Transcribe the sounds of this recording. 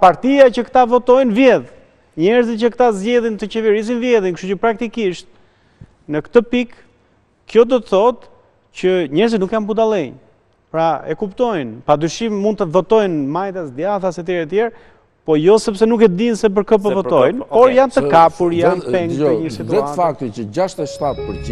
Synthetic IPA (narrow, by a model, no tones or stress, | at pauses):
paɾt̪iacəkt̪avɔt̪ɔjnvjɛð | ɲɛɾzicəkt̪azɟɛðint̪ət͡ɕɛvɛɾis̬invjɛðinkəʃtucəpɾak̚t̪ikiʃt̪̚ | nəkt̪əpik | kːjɔd̪ɔt̪əθɔt̪ | cəɲɛɾzit̪nukjanpud̪alɛɲ | pɾaɛkupt̪ɔjnpad̪yʃimmund̪̚t̪əvɔt̪ɔjnmajt̪asd̪jaθasɛt̪̬jɛɾɛt̪̬jɛɾ | pɔjɔsɛpsɛnukɛt̪əd̪insɛp̬əɾkəp̬əvɔt̪ɔjnppɔɾjant̪əkapuɾjanpɛŋɡɛɲəsit̪uɛtafak̚t̪it͡ʃəd͡ʑaʃt̪ɛʃt̪at̪pəɾi